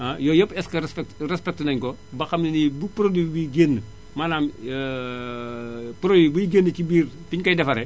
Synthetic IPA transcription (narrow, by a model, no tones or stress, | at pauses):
ajɔjɐpɛskɐɾspɛkrɛspɛk̚tnɐɲkobɐxɐmninibupɾodibuɡenːə | malaːm | pɾodibujiɡenːəcibiːr | fiɲkɐjdɛfɐɾɛ